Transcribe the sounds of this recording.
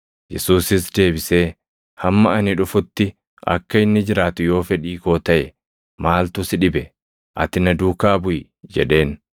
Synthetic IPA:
jɛsuːsɪs̬d̪e̞ːbɪse̞ː | hɐmːɐɐnɪᶑʊfʊt̪ːɪ | ʔɐ̰kːɐɪnːɪd͡ʒɪɾaːt̪ʊjo̞ːfɛᶑiːko̞ːt̪ɐʔɛ | maːlt̪ʊsɪᶑɪbɛ | ʔɐ̰t̪ɪnɐd̪uːkaːbʊjɪ | d͡ʒɛ̰ᶑe̞ːn

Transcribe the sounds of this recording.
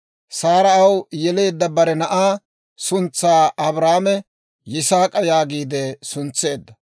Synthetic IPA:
saːɾɐɐwjɛle̞ːd̪ːɐbɐɾɛnɐʔaː | sʊnt͡sːaːɐbɾaːmɛ | jɪsaːkʼɐjaːɡiːd̪ɛsʊnt͡sːe̞ːd̪ːɐ

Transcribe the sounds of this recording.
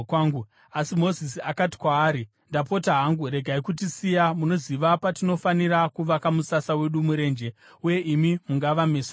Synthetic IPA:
aŋɡu | asimo̞zisiakati̥kwaːɾi | ndapo̞taɦaŋɡuɾe̞ɡʱaikutisijamuno̞ziʋapatino̞faniɾakuʋakamusasawe̞ɗumuɾe̞ːnd͡ʒe̞ | uje̞ʔimimuŋɡaʋames

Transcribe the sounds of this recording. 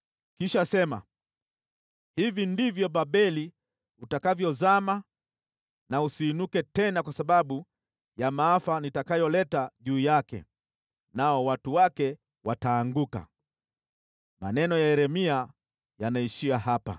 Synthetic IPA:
kiʃasɛma̰ | hivindivjɔɓaɓɛli | utakavjɔzama | nausiːnukɛtɛnakwasaɓaɓu | jamaafanitakajɔlɛtaʄuːjakɛ̰ | naɔwatuwakɛ | wataːŋɡuka̰ | ma̰nɛnɔjaɛɾɛmia | janaiʃiaɦapa̰

